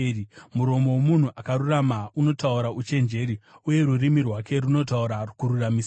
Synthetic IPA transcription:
imuɾo̞mo̞womun̤uʔakaɾuramauno̞tauɾaut͡ʃe̞nd͡ʒe̞ɾiuje̞ɾurimirwake̞ɾuno̞t̬auɾarukuɾuramis

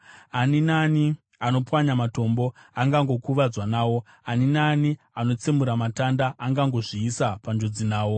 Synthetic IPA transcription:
aninani | ano̞pwaɲamato̞mbo̞aŋɡaŋɡo̞kuʋad͡zwanaːwo̞ | aninani | ano̞t͡semuɾamatandaʔːŋɡaŋɡo̞ʐiːsapand͡ʒo̞d͡zinaːwo̞

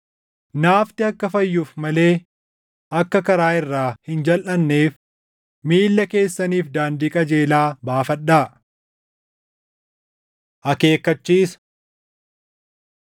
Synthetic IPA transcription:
naːft̪ɪɐkːɐfɐjːuːfmɐle̞ː | ʔɐkːɐkɐɾaːɪrːaːhɪnd͡ʒɐlʔɐnːe̞ːf | miːlːɐke̞ːsːɐniːfd̪aːnd̪iːkʼɐd͡ʒe̞ːlaːbaːfɐɗːaː | ʔɐke̞ːkːɐt͡ʃːiːs

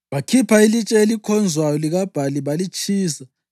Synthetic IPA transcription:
βakʰipʰailit͡ʃʼɛelikʰɔnd͡zʱwajɔliɣab̥ʱaliβalit͡ʃʰʼiːsa

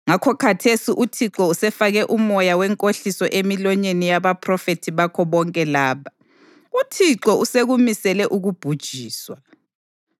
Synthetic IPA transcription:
ŋakʰɔkʰatʰesiʔutʰiǁɔusɛfaɣɛʔumɔjawɛŋkʼoɬisɔʔemilɔɲenijaβapʰrɔfetʰiβakʰɔβɔŋkʼɛlaːβʰa | utʰiǁɔuseɣumisɛlɛʔuɣub̥ʱud̥ʒ̥ʱiːswa

